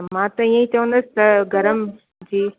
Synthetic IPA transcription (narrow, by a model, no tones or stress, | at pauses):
mãːt̪ɐijə̃ĩt͡ɕɐʋə̃nd̪ɐsɪ̥t̪ɐɡʱɐɾəm | d͡ʑiː